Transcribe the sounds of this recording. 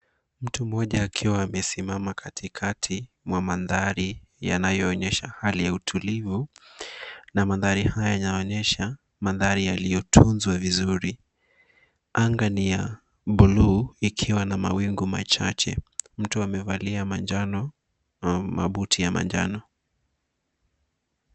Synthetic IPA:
m̩tum̩ɔʄaːkʰiwaːmɛsimamakʰatʰikʰatʰi | mwamaðaɾija̰najɔːɲɛʃahalijautʰulivu | namaðaɾihajanaɔɲɛʃa | maðaɾijalijɔtʰunzwavizuɾi | aŋɡanija | ɓuluikʰiwanama̰wiŋɡuma̰t͡ʃa̰t͡ʃɛ̰m̩tuamɛvaliamad͡ʒan | ma̰ɓutijama̰ɲd͡ʒa̰nɔ

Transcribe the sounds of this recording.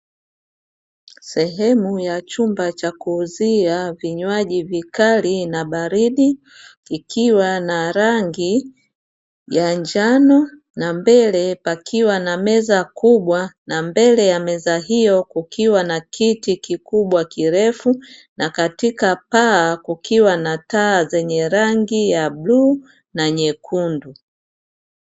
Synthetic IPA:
sɛɦɛmujat͡ʃumbat͡ʃakuːziaviɲwaʄivikalinaɓaɾiɗiː | kʰiwanaɾaŋɡi | jaɲd͡ʒanɔ | nambɛlɛpakʰiwanamɛzakuɓwanambɛlɛjamɛzaɦijɔkukiwanakʰitikikuɓwakiɾɛfunakatikapaːkukʰiwanataːzɛɲɛɾaŋɡijabluː | naɲɛkʰundu

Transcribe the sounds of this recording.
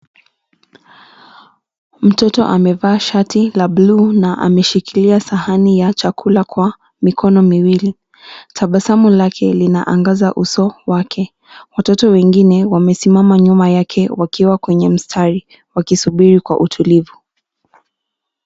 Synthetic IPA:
m̩tɔtɔ̰ʔamɛvaːʃatilablunaʔa̰mɛʃikiliasahanijat͡ʃakʰulakwa | mikʰɔnɔmiwili | tʰaɓasamulakʰɛlina̰ʔaŋɡazaʔusɔwakʰɛ | watɔtɔwɛŋɡinɛwamɛsimamaɲumajakʰɛwakiwakwɛɲɛm̩stʰaɾi | wakisuɓiɾikwa̰ʔutʰulivu

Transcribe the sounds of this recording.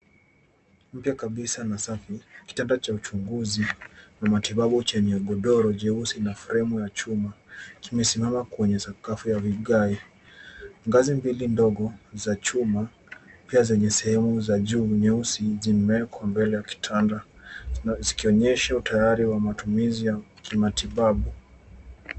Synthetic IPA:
m̩pjakaɓisanasafiki̥tandat͡ʃaut͡ʃuŋɡuzinamatiɓaɓut͡ʃɛɲɛɡɔɗɔɾɔʄɛusinafɾɛmɔjat͡ʃumakimɛsimamakwɛɲɛsakafujaviɠai | ŋɡazimbilindɔɡɔzat͡ʃuma | piazɛɲɛsɛhɛmuzaʄuːɲɛusizimɛkʰwambɛlɛjaki̥tʰanda | zikiɔɲɛʃautʰajaɾiwamatumizijakimatiɓaɓu

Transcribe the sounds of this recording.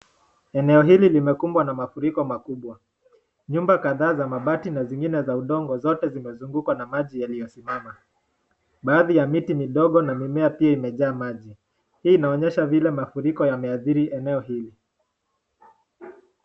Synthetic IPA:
ɛnɛɔɦililimɛkumbwanamafuɾikɔmakuɓwa | ɲumbakaðaːzamaɓatinaziŋɡinɛzauɗɔŋɡɔzɔtɛzimɛzuŋɡukwanamaʄijalijɔsimama | ɓaːðijamitimiɗɔɠɔnamimɛapiaimɛʄaːmaʄi | hiːnaɔɲɛʃavilɛmafuɾikɔjamɛaθiɾiʔɛnɛɔhili

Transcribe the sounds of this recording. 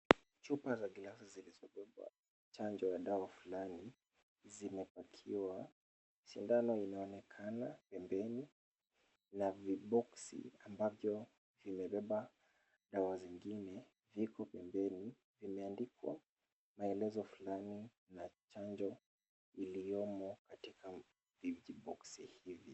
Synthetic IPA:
t͡ʃupazaɡilasizilizɔɓɛɓa̰ | t͡ʃand͡ʒɔjaɗawafulani | zimɛpakʰiwa | miʃindanɔinaɔnɛkʰanapɛmbɛni | naviɓɔksḭambavjɔ | vimɛɓɛɓa | ɗawaziŋɡinɛ | vikɔpɛmbɛni | vimɛandikwa̰ | maɛlɛzɔfulani | nat͡ʃaɲd͡ʒɔ | iliɔmɔkatikʰa | vid͡ʒiɓɔksihivi

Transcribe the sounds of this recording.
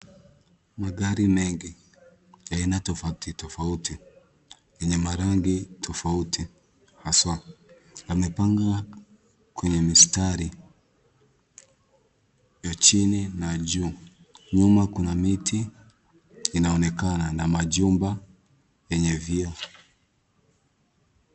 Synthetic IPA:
maɠaɾimɛŋɡi | jainatɔfautitɔfauti | jɛɲɛmaɾaŋɡitʰɔfautʰi | haswa | jamɛpaŋɡa | kwɛɲɛmistaɾi | jat͡ʃininaʄuː | ɲumakunamitʰi | inaɔnɛkananamaʄumba | jɛɲɛviɔ

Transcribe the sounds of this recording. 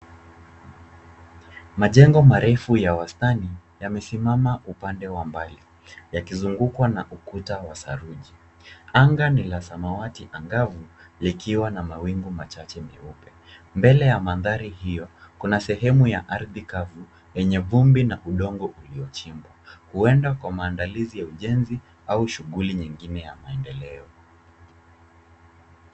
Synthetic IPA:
maʄɛŋɡɔmaɾɛfujawastanijamɛsimamaupandɛwambali | jakizuŋɡukwanaʔukutawasa̰ɾuʄi | aŋɡanilasamawatiʔaŋɡavulikʰiwanamawiŋɡumat͡ʃat͡ʃɛmɛ̰upɛ | mbɛlɛjamanðaɾihijɔkunasɛɦɛmujaʔaɾðikavu | jɛɲɛvumbinaʔuɗɔŋɡɔʔuliɔt͡ʃimbwahuɛndakwamaːndalizijauʄɛnzi | auʃuɠuliɲiŋɡinɛjamaɛndɛlɛɔ

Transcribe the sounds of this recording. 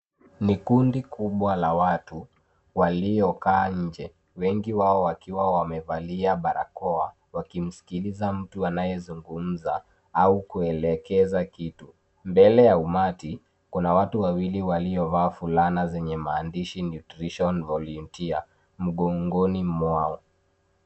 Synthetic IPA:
nikundikʰuɓwalawatu | waliɔkaːɲ̩d͡ʒɛ | wɛŋɡiwaɔwakiwawamɛvaliaɓaɾa̰kɔa | wakim̩si̥kilizam̩tuanajɛzuŋɡum̩za | aukuɛlɛkɛzakitu | mbɛlɛjaumati | kunawatuwawiliwaliɔvaːfulanazɛɲɛmaːndiʃinjutɾiʃɔnvɔluntia | m̩ɠɔŋɡɔnimmwaɔ

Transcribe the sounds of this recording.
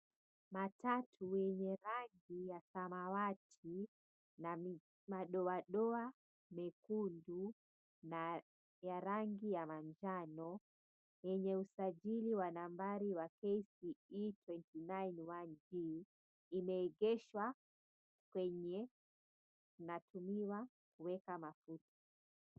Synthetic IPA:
matatʰujɛɲɛɾaŋɡijasamawatʰi | na | maɗɔaɗɔa | mɛkundu | na | jaɾaŋɡijamaɲd͡ʒanɔ | jɛɲɛusaʄiliwanambaɾiwakɛsiitwɛntinainwand͡ʒiː | mɛːɡɛʃwa | kwɛɲɛ | natʰumiwa | kuwɛkamafutḁ

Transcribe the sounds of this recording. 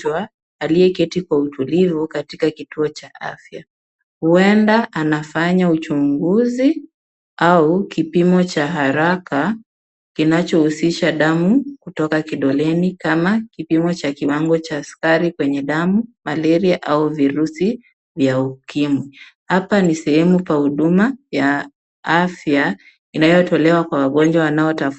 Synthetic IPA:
waː | liɛkɛtikwautulivukatikakituɔt͡ʃaʔa̰fja | huɛndaʔanafaɲaut͡ʃuŋɡuzi | aukipimɔt͡ʃaɦaɾaka | kinat͡ʃɔhusiʃaɗamukutɔkakiɗɔlɛnikamakipimɔt͡ʃakiwaŋɡɔt͡ʃaːskaɾikwɛɲɛɗamumalɛɾiaʔauviɾusi | vjaukimwi | hapanisɛhɛmupwahuɗumaja | afja | inajɔtɔlɛwakwawaɠɔnd͡ʒwawanaɔtaf

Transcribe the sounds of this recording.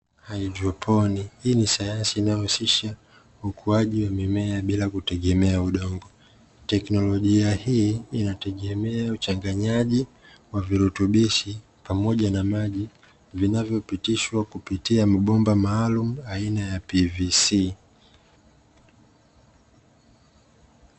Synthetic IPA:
haid͡ʒɔpʰɔnihiːnisajansiːnajɔhusiʃa | ukʰuaʄiwamimɛaɓilakutɛɠɛmɛauɗɔŋɡɔ | tɛknɔlɔʄiahiinatɛɠɛmɛaut͡ʃaŋɡaɲaʄi | waviɾutuɓiʃi | pamɔʄanamaʄi | vinavjɔpitiʃwakupitiamaɓɔmbamaːlumuainajapivisiː

